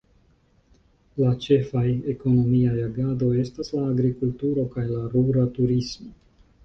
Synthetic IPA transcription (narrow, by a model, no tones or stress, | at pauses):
lat͡ʃe̞fajeko̞no̞miajaɡad̪o̞je̞staslaːɡɾikultuɾo̞kajlaɾuɾat̪uɾismo